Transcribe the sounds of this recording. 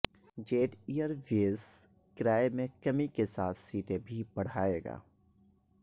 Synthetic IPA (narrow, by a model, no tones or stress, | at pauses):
d͡ʒeːʈijəɾʋeːs | kɾaːemẽkɐmikesaːt̪ʰsiːt̪ebʱibɐɽ̤aːeːɡa̰ː